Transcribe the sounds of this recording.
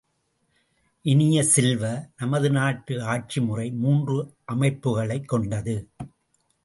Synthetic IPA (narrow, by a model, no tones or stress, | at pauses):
ʔɪnɪjɐsɪlʋɐnɐmɐðɯnaːʈːɯaːʈ̚t͡ʃimʊrɐɪmuːndrɯʔɐmɐɪpːɯɣɐɭɐɪkːɔɳɖɐðɯ